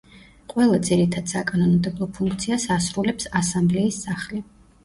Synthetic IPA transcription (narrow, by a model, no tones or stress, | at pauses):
qʼwɛlˠad̪ziɾit̪ʰad̪̥sakʼanɔnmd̪ɛblˠɔpʰuŋk̚ʰt̪sʰiasasɾulɛpsasamblɛisːaχli